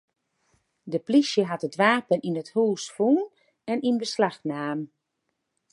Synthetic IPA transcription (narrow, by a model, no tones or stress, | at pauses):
dəplisjəɦatədʋaːpəninəthuːsfun | ɛninbəslaxnaːm